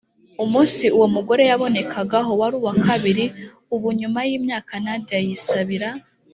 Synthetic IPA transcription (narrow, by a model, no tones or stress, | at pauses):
umuːnsiuwo̞muɡo̞ɾe̞jaβo̞ne̞kʰaɡaɦo̞waɾuːwakaβiɾi | uβuɲumajiːmɲaːkanadijajisaβiɾa